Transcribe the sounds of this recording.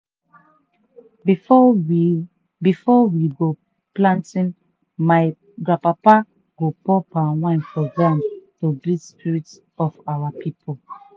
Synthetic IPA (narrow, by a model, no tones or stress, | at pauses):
bifɔwiɡo | plãntĩn | maj | ɡɹãpapa | ɡ̥opɔpawãnfɔdɛ̃mtubispiɹits | ɔfawapipʰol